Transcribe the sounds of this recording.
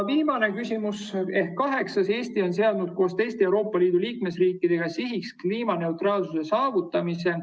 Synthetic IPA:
viːmɑne̞kysʲimuse̞hkːɑɦe̞ksɑse̞ːst̪io̞ns̬e̞ɑd̪nud̪̥ko̞ːst̪e̞jst̪eewɾo̞ːpːˑɑliːd̪̥uliːkme̞sriːkːˑid̪̥e̞ɡ̥ɑsiɦikskliːmɑne̞wt̪rɑːlsuse̞sɑːvut̪ːˑɑmise̞

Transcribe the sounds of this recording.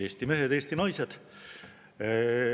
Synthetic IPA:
eːsʲt̪ime̞ɦed̪e̞ːsʲt̪inɑjsed̪̥

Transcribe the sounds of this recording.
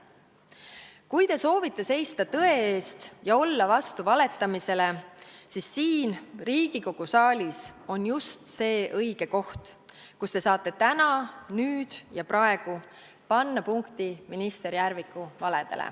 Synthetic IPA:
kujt̪e̞so̞ːvit̪ːˑe̞se̞jst̪ɑt̪ɤ̞e̞eːst̪jɑo̞lːɑvɑst̪uvɑle̞t̪ːˑɑmise̞le̞sisːiːnriːɡ̥iko̞ɡ̥usɑːlʲiso̞njust̪se̞ːʔɤjɡ̥e̞ko̞ht̪ | kust̪e̞sɑːt̪ːˑe̞t̪ænɑnyːd̪̥jɑprɑe̞ɡ̥u | pɑnːɑpuŋkt̪iminist̪e̞ɾijærvikˑːuvɑle̞d̪̥e̞̰lḛ

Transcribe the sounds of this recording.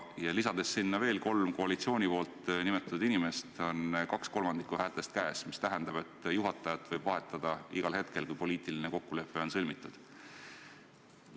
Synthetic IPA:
jɑlisɑd̪̥e̞sːinːɑve̞ːlko̞lmko̞ɑlit̪sio̞ːnʲipo̞ːlt̪ˑnimet̪ːˑɑ̥t̪ud̪̥inime̞st̪o̞nkɑksko̞lmɑnd̪̥ikːˑuhæːlt̪ˑe̞st̪kæːsmist̪æɦɛnd̪ɑb̥e̞t̪ːˑjuɦɑt̪ːˑɑjɑt̪ːˑvɤjb̥vɑɦe̞t̪ːˑɑd̪̥ɑiɡ̥ɑlɦe̞t̪ke̞lkujpo̞lʲiːt̪ˑilineko̞kːule̞pːe̞o̞nsɤlʲmit̪ːˑud̪̥

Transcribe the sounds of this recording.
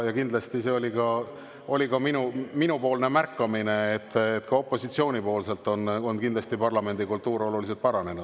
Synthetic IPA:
jɑkind̪lɑst̪ise̞o̞likɑ | o̞lʲikɑminuminupo̞ːlne̞mærkːɑmine̞et̪ːet̪ːkɑo̞pːˑo̞sit̪sio̞ːnʲipo̞ːlse̞lt̪ːˑo̞nonkind̪lɑst̪ipɑrlɑme̞nd̪̥ikult̪ːuːɾo̞lulis̬elt̪̚pɑɾɑne̞nud̪̥

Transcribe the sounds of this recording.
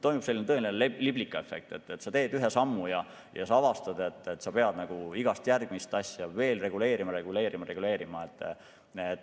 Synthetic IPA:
t̪o̞jmub̥se̞lːinet̪ɤelinelliblikːˑɑefːe̞k̚t̪e̞t̪ːet̪ːsɑt̪e̞ːd̪yɦe̞sɑmːujɑ | jʔɑ̰sɑɑvɑst̪ɑd̪̥e̞t̪ːˑet̪ːsɑpe̞ɑd̪̥nɑɡ̥uiɡ̥ɑst̪jærɡ̥mist̪ɑsʲjɑve̞ːlre̞ɡ̥ule̞ːɾimɑɾe̞ɡule̞ːɾimɑɾe̞ɡ̥ule̞ːɾimɑet̪ːˑ | et̪ː

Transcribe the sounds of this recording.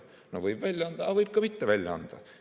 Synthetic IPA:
no̰ʋɤib̥ʋælʲːɑnd̪ɑɑʋɤip̚kɑmit̪ːæʋælʲːɑɑ̰nd̪̥ɑ̰

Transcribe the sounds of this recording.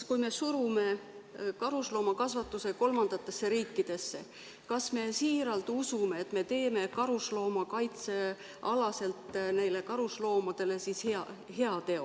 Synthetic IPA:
kujme̞suɾume̞kɑɾuslo̞ːmɑkɑsvɑt̪ːˑuse̞ko̞lmɑnd̪̥ɑt̪ːˑe̞sːe̞ɾiːkːid̪̥e̞sːe̞̰ | kɑsme̞siːɾɑlt̪usume̞ːt̪ˑme̞t̪e̞ːme̞kɑɾuslo̞ːmɑkɑjt̪se̞ | ɑlɑse̞lt̪ˑnejle̞kɑɾuslo̞ːmɑd̪̥e̞le̞sisheɑhe̞ɑt̪e̞o

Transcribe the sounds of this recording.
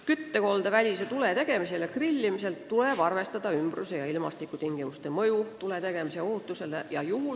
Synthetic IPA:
kyt̪ːeko̞ld̪̥ɑvælʲiset̪ule̞t̪e̞ɡ̥e̞miselekrilʲːimise̞lt̪ːule̞b̥ɑrve̞st̪ɑd̪̥ɑymbruse̞jɑilmɑ̰st̪ikːˑut̪iŋɡ̥imust̪e̞mɤjut̪ule̞t̪e̞ɡ̥e̞mise̞oɦut̪ːˑuse̞lejɑjuɦul

